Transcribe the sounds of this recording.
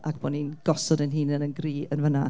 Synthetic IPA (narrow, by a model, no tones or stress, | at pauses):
ʔakb̥ɔːninɡ̥ɔsɔdənɦiːnənənɡriːənvəna